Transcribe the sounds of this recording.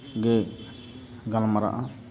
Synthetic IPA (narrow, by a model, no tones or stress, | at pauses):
ɡɛ | ɡalamaɾa̰ʔa